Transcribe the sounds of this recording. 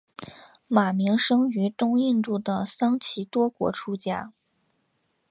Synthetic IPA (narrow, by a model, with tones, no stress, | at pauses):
ma˨˩mi˧˥ŋʂɤ˥ŋy˧˥t̪ʊ˥ŋi˥˧nt̪u˥˩d̪ə˩sɑ˥ŋt͡ɕʰi˧˥t̪wɔ˥kwɔ̰˧˥ʈ͡ʂʰu˥t͡ɕja˥˩